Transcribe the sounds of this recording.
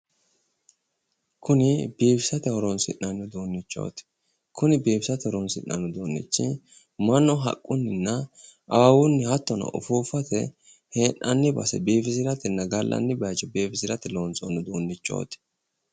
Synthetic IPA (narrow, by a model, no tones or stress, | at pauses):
kʰʊnɪb̥eːpɪsɐt̪ɛhɔɾɔnsɪ̰nːɐnːʊd̪oːnːɪt͡ʃːo̞̰ːt̪ɪ̥ | kʰʊnɪbeːbsɐt̪ɪhɔɾɔnsɪnːɐnːʊd̪oːnːɪ̰t͡ʃːɪ | mɐnːɔɦɐ̰kʼːʊnːɪnːɐɐwawʊnːɪhɐt̪ːɔnɐ̰ʔʊ̰fuːfɐt̪ɛ̰ | heːnʔɐnːɪbɐ̰sɛ̰beːfɪs̬ɪɾɐt̪ɪnːɐɡɐlːʔɐ̰nːɪbɐt͡ʃːɔbeːfɪsɪɾɐt̪ɪloːnt͡sʼonːʊd̪oːnːɪt͡ʃːo̞̰ːt̪ɪ̥